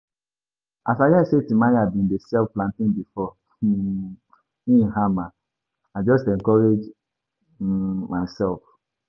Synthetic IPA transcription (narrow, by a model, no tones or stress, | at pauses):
asaɡasetimajabĩndesɛplãntĩnbifɔ | ĩɦama | ad͡ʒɔstɛ̃ŋkɔɹed͡ʒ | maɪsɛlf